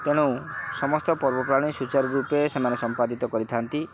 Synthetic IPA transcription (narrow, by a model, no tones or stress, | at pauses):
t̪eɽ̃ũsɔmɔst̪ɔpɔɾbɔpɾaɽ̃isut͡ʃaɾɔɾupesemanesɔmpad̪it̪ɔkɔɾit̪ʰant̪i